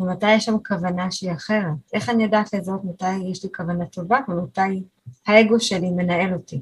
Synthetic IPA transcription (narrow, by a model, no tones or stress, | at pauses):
vematajeʃamkavanaʃeiaχe̞ʁetʔe̞χanijadaːt̪lezotmatajːeʃlikavanat̪ʰo̞vavemataj | hae̞ɡo̞ʃe̞lime̞nae̞lo̞ti